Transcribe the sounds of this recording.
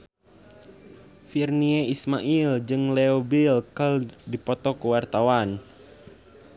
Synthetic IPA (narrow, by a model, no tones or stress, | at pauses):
firnieismaʔild͡ʒɨŋleobilkəldipɔt̪ɔkuwart̪awan